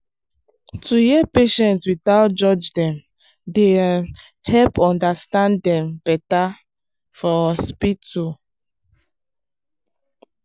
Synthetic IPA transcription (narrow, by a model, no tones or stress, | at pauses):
tʰujɛpeʃɛ̃ntswitaʊt̚d͡ʒɔd͡ʒdɛ̃m | de | hɛlpɔ̃ndastãndɛ̃mbɛta | fɔspitu